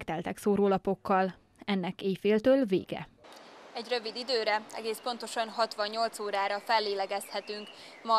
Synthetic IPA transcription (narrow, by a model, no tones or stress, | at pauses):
kt̪ɛlt̪ɛksoːɾoːlɒpo̞kːɒl | ɛnːɛkeːjfeːlt̪øːlvḛːɡɛ̰ | ɛɟrø̞vid̪id̪øːɾɛɛ̰ɡeːspo̞nt̪o̞ʃɒnɦɒt̪ʋɒɲːo̞lt̪soːɾaːɾɒfɛlːeːlɛɡɛshɛt̪yŋk | mɒ